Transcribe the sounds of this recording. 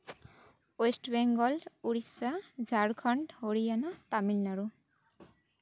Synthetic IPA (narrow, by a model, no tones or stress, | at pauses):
esʈbeŋɡɔluɽisad͡zʱaɽkʰʌɳɖɦoɾijanat̪amilnaɾu